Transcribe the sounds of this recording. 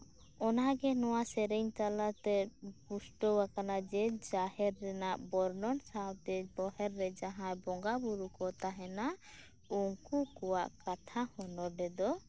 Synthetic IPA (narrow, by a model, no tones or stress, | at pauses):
ɔnaɡɛnɔwasɛɾɛɲt͡ʃalat̪ɛpusʈɔwakanad͡ʒɛd͡ʒahɛɾːɛnaʔbɔɾnɔnsawt̪ɛbɔɦɛɾːɛd͡ʒaɦãjbɔŋɡabuɾukɔt̪aɦɛna | uŋkukɔwaʔkat̪ʰahɔnɔɖɛd̪ɔ